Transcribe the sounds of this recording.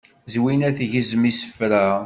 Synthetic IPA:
zwinæθʝizmisə̥fɾæ

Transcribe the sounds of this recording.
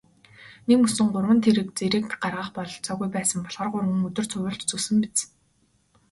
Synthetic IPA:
nemɵsɵ̆ŋɢʊrwə̆nt̪ʰeɾɘ̆k̚t͡seɾɘ̆k̚t̪ɢarʁə̆χpɔɮɬt͡sɔːɣujpæːsə̆mpɔɮʁə̆rʁʊrwə̆ŋɵt̪ɵ̆r̥t͡sʰʊwʊ̆ɬt͡ɕt͡sɵsɘ̆mpet͡s

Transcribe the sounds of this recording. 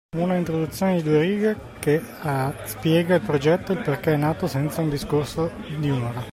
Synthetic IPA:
unaint̪ɾod̪ut̪sːjoːned̪id̪ueɾiːɡa | ke | spjɛːɡailpɾod͡ʒɛt̪ːoilperkeɛnːaːt̪osɛnt̪saund̪iskorsod̪iunoːɾa

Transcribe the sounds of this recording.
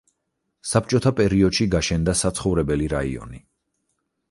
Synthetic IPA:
sap̚t͡ʃʼɔt̪ʰapʼɛɾiɔd̪ʃiɡaʃɛnd̪asat̪sʰχɔvɾɛbɛliɾaḭɔ̰ni

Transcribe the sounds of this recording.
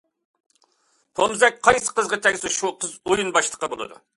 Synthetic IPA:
pʰomzɛk̚ʲqʰɑjsə̥qəzʁɑt̪ʰɛɡʲsuʃuqʰəzujunbɑʃlˠə̥qɑbolˠɨ̰d̪ṵ

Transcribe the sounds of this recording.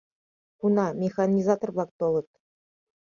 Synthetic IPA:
kunɑmʲexɑnʲizɑt̪ŏrbɑk̚t̪olˠɤ̆t̪

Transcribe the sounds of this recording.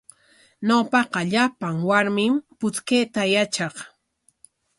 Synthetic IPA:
nawpɑqɑʎapaŋwaɾmɪmpʊt͡skejt̪ajat͡ʃɑχ

